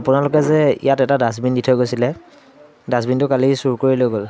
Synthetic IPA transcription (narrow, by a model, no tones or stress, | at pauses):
apʊnalʊk̬ɛzɛḭjatɛtadas̬binditʰɔjkojsilɛ | dasbintʊkalisuɹkoɹilojɡol